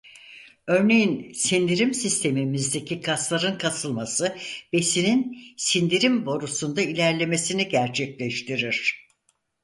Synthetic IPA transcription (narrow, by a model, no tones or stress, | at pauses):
ø̞ɾne̞jinsind̪iɾimsist̪ʰe̞mimizd̪e̞cʰikʰaslˠaɾɯnkʰasɯlˠmasɯb̥e̞sininsind̪iɾimbo̞ɾusund̪ailʲæɾlʲe̞me̞siniɟæɾt͡ʃʰɛclʲɛʃt̪ʰiɾiɾ̥